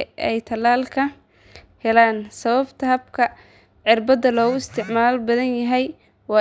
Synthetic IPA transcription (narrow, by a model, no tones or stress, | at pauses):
ɛjt̪ʰɐlaːlkʰɐ | hɛlaːnsɐβɐbt̪ʰɐɦɐb̚kʰɐ | ʕɪrbɐd̪ɐlɔːɣʊɪst̪ʰɪʕmaːlbɐðɐnjɐɦɛj | wɑː